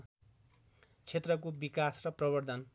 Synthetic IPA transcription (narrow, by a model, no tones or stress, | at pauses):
t͡sʰet̪rʌkobikasrʌprʌbʌrd̪ʱʌn